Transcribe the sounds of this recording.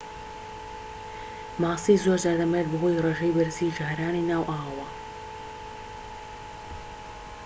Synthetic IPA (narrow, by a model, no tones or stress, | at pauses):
maːsiːzoɾzaːd̪ɐmɛt̪̚bɨɦoːjreːʒejbɨɾziʒaːɾaːninaːwʔaːwɐwɐ